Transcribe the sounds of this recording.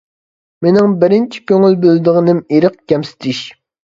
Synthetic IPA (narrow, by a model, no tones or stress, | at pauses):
menɪŋbɪɾɪnt͡ʃʰi̥kʲøŋylbøld̪ɨʁənɪmiɾəq̚kʲɛmsɪ̥t̪ʰɪʃ